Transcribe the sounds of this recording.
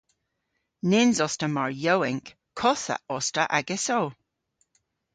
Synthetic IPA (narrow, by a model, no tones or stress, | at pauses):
nenzɔstəmaɹjowɪŋk | kʰːɔθa̰ɔstəʔaɡɛsow